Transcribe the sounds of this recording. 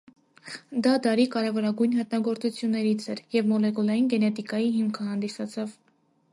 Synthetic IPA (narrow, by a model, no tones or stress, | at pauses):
d̪ɑd̪ɑɾikɑɾɛvɔɾɑɡujnhət̪nɑɡɔɾt͡sut͡sʰjunːɛɾit͡sʰɛɾjɛvmɔlɛkulɑjinɡɛnɛt̪ikɑjiɦimkʰəɦɑnd̪isɑt͡sʰɑv